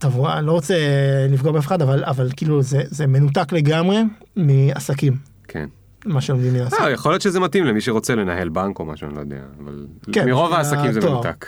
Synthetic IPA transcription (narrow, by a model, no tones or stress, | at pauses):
t̪ovoalo̞ʁot͡selifɡobeafeχad̪avalavalkiːluzezeme̞nut̪̬akle̞ɡamʁe̞ | miasakim | kʰḛn | maʃeomd̪imːiaːsajaχoljotʃezemat̪imlemiʃeʁo̞t͡selenahe̞lbaŋkoma̰ʃea̰nilo̰jod̪ḛa̰ːva̰lkemiʁo̞vaːsakimzemouvt̪a̰k